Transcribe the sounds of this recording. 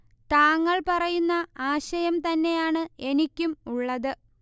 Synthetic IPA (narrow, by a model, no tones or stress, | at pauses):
t̪aːŋːɐɭpɐrɐjunːɐaːɕɐjɐmt̪ɐnːe̞jaːɳɨe̞nikʲːumuɭːɐðɨ